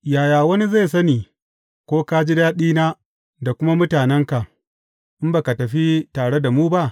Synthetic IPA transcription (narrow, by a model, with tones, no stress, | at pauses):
jaː˨jaː˨wɐ˦ni˦za˦˨sɐ˦niː˨ | kʷoː˦kaː˦d͡ʒɪ˦daː˦ɗiː˦naː˦ | da˨kʷʊ˦ma˦mʊ˦taː˨nɛ˦ŋka˨ | ʔɪ˦mba˨ka˨tɐ˨ɸi˦taː˨ɽe˦da˨muː˦ba˦ʔ